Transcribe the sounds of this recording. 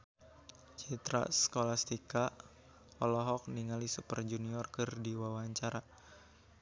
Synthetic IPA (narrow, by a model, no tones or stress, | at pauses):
t͡ʃit̪ɾa̰sə̥kolast̪ika | ɔlɔɦɔk̚niŋalisupərd͡ʒuniɔrkɨrdiwawaɲt͡ʃaɾa